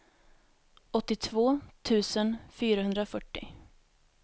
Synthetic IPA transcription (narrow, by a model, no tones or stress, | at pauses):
ɔt̪ːɪt̪ʰvoːt̪ʰʉ̟ːsənfyːɾaɦɵnd̪ɾafœʈːɪ̰